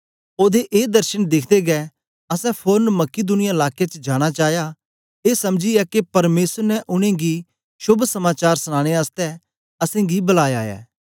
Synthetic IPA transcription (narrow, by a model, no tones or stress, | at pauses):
oːd̪eʔeːd̪ɐɾʃənd̪ɪkʰd̪eɡɛ | ɐsɛ̃pʰoːɾnmɐkːid̪ʊnɪjaɪlaːket͡ʃəd͡ʒaːɽ̃at͡ʃaːja | eːsɐmd͡ʒiɛkepɐɾmeːsəɾnɛʔʊɽ̃ẽɡi | ʃʊbʱsɐmaːt͡ʃaːɾsɐɽ̃aːɽ̃east̪ɛ | ɐsẽɡibɐlaːjaːɛ̰ː